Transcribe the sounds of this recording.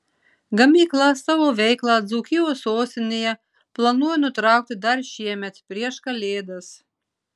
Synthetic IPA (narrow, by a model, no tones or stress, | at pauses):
ɡɐmʲiːklˠɐsɑʋoːʋʲɛɪklˠɑːd̪zuːkʲɪjoːsoːst̪ʲɪnʲejɛ | plˠɐnuɔjɛnʊt̪ɾɑˑʊk̚t̪ʲɪd̪ɐɾʃʲiɛmʲɛt̪pʲɾʲiɛʃkɐlʲeːd̪ɐs